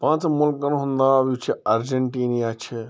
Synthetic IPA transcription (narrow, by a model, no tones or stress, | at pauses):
pãt͡ʃmulkənɦũnd̪abiut͡ʃʰeəɾd͡ʒeɳʈinijat͡ʃʰɛ